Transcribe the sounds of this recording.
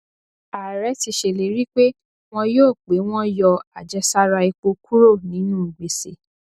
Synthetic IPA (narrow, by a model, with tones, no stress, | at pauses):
a˨ɾɛ˨˦ti˧ʃe˨le˨ɾi˦k͡pe˦ | w̃ɔ̃˧joː˦˨k͡pe˨˦w̃ɔ̃˦jɔ˧a˨d͡ʒɛ˧˦sa˦ɾa˧i˧k͡po˧kʰu˦ɾo˦˨nĩ˨˦nũ˦˨ɡ͡be˨se˨